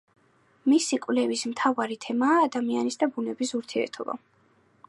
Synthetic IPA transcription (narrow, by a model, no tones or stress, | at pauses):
misikʼwvlɛvismt̪ʰavaɾit̪ʰɛmaːd̪amianisd̪abunɛbisuɾt̪ʰiɛ̰ɾt̪ʰɔba̰